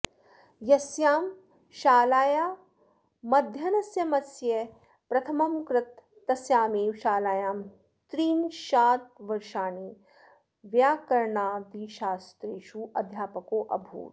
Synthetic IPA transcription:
jɐsjaːm | ʃaːlaːjaː | mɐd̪ʱjɐnɐsjɐmɐsje | pɾɐt̪ʰɐmɐmkɾɪt̪ː | ɐsjaːmeːwʃaːlaːjaːm | t̪ɾiːnʃaːt̪̚ʋɐɾʃaːniː | ʋjaːkɐɾɳaːd̪iːʃaːst̪ɾeːʃuʔɐd̪ʱjaːpɐkoːʔɐ̰bʱṵːt̪

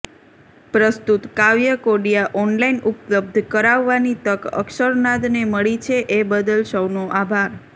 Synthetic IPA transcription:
pɾəst̪ut̪kaʋjəkoɽijaʔɔnlainʔʊpləb̚d̪ʱkəɾaʋːanit̪əkə̰kʃəɾnad̪neməɭit͡ʃʰeʔebəd̪əlʃəʋnoʔabʱaɾ

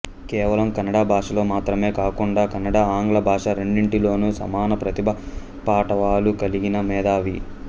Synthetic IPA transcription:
kɛːʋɐlɐmkɐnːɐɽaːbʱaːʂɐlo̞ːmaːt̪ɾɐme̞ːkaːkuɳɖaːkɐnːɐɽaːaːŋɡlɐbʱaːʂɐɾeɳɖiɳʈilo̞ːnusɐ̰maːnɐpɾɐt̪ibʱɐ | paːʈɐʋaːlukɐliɡinɐmɛːd̪aːʋi

